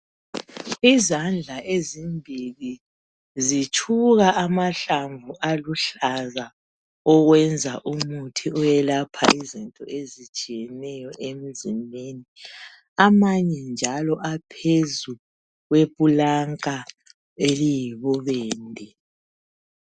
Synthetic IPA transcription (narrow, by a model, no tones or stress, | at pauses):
izand͡ɮʱaʔezimbʱili | zit͡ʃʰuɣaʔamaɬaɱvuʔaluɬaza | ɔɣwɛnd͡zʱaʔumutʰiɔjɛlapʰa̰izintʼɔ̰ʔezit͡ʃʼijɛnɛjɔʔem̩zimʱeːni | amaɲɛnd͡ʒʱalɔʔapʰezu | ɣwepʼulaŋʼa | elijiβɔβeːndʱi